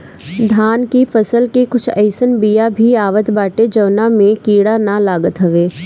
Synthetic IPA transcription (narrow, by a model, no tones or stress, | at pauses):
d̪ʱaːnkifʰəsəlkekʊt͡ʃʰə̰ɪsənbijabʱiaːʋət̪baːʈed͡ʒɐʋnamẽkiːɽanalaːɡət̪ɦɐʋeː